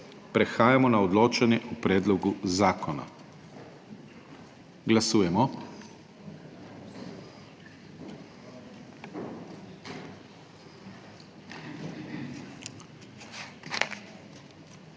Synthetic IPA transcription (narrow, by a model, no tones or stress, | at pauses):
pɾɛxaːjamɔnaɔd̪loːt͡ʃanjɛʔupɾɛːd̪lɔɡuzaːkʰɔna̰ | ɡlasuːjɛmɔ